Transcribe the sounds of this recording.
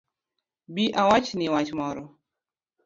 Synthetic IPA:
biʔawat͡ʃnɪwat͡ʃmɔɾɔ

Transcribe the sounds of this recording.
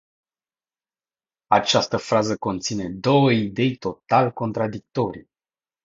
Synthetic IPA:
at͡ʃast̪əfɾazəko̞nt̪sine̞d̪o̞wəid̪e̞jt̪o̞t̪alko̞nt̪ɾad̪ik̚t̪o̞ɾḭ

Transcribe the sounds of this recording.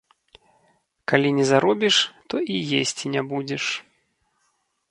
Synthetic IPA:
kalʲinʲɛzaɾɔbʲiʂt̪ɔʔijesʲt͡sʲinʲɛbud͡zʲɛʂ

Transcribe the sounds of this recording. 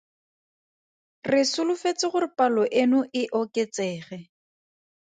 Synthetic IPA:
rɪsʊlʊfet͡sɪχʊrɪpalɔʔenʊʔɪʔɔket͡sɛːχɛ

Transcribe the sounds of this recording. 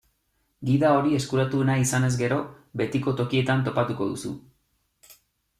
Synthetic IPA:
ɡiðao̞ɾie̞skuɾat̪unaisane̞zɡe̞ɾo̞ | be̞t̪iko̞t̪o̞kie̞t̪ant̪o̞pat̪uko̞ðṵsṵ

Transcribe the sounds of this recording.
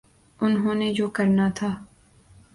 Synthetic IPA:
ʊnɦõːned͡ʒoːkɐɾnat̪ʰaː

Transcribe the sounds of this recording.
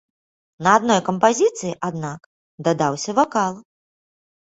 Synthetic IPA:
nɐad̪nɔjkɐmpazʲit̪sɨjiʔad̪nak | d̪ɐd̪awsʲɐvakalˠ

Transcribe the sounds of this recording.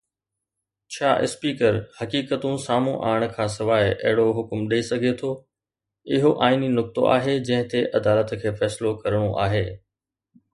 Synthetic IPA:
t͡ɕʰaːʔɪ̰spiːkəɾhɐkiːkət̪ũsaːmṵ̃ʔa̰ːɽ̃kʰãːsɪʋaːɪɐ̰ɦɪɽoɦʊkmɗiisɐɡʱet̪ʰoː | ɪɦoʔaːininʊk̚t̪o̰ʔa̰ːɦed͡ʑɐ̃ɦɪ̃t̪eʔɐd̪aːlət̪kʰeːfɛːslokɐɾəɽ̃oʔaːɦeː

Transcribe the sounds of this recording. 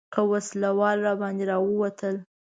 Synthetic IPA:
kəwaslawɑlɾɑbɑnd̪eɾɑwəwat̪əl

